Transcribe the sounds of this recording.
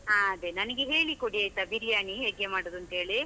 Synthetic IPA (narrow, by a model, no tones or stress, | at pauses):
ɦaːɐd̪enɐnɐɡeɦe̞ːɭikoɽiaːjt̪ːɐbiɾijaːɳiɦeːɡemaːɽoːd̪uɐnt̪ɦeːɭi